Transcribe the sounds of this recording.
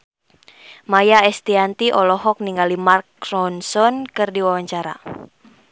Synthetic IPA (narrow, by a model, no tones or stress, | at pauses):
majaɛst̪iant̪iʔɔlɔɦɔk̚niŋɡalimarkrɔnsɔnkɨrdiwawaɲt͡ʃaɾa̰